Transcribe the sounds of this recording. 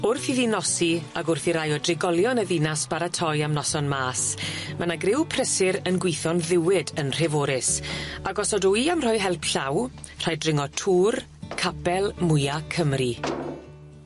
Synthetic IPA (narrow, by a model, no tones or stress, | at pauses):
ʊrθiðinɔsiaɡʊrθiɾajɔdrɪɡɔlˠjɔnəðinasb̥aɾatʰɔjamnɔsɔnmaːsmʔanaɡrɪwpʰrəsɪɾənɡwɪjθɔnðɪwɪdənr̥ɛvoːɾɪsaɡɔsɔduiamr̥ɔjɦɛlˠpɬaw | r̥ajdrɪŋɔtʰuːr | kʰabɛlˠmʊjakʰəmri